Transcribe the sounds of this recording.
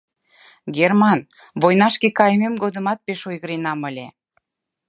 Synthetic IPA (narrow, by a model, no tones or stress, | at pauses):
ɡermɑn | vojnɑʃkekɑjmemɡod̪əmɑt̪̚peʃojɣəɾenɑməlʲe